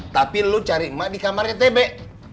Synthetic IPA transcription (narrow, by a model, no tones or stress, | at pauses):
t̪apilut͡ʃaɾimaʔdikamarɲat̪̬ɛbɛʔ